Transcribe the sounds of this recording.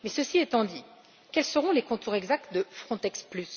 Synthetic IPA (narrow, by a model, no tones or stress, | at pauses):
mɛsəsiɛt̪ɑ̃d̪i | kɛlsəʁɔ̃lekɔ̃t̪uʁɛɡzak̚t̪d̪əfχɔ̃t̪ɛksplys